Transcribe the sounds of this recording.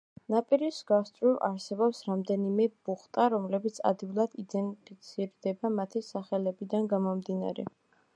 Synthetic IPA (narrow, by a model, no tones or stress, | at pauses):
napʼiɾisɡast̪ʼɾiʔa̰ɾsɛbɔpsɾamd̪ɛnimɛb̥uχt̪ʼaɾɔmlɛbit̪sʰa̰d̪ɡivlˠad̪̥id̪ɛnpʰit̪sʰiɾd̪ɛbamat̪ʰisaχɛlɛbid̪anɡamɔmd̪ina̰ɾɛ̰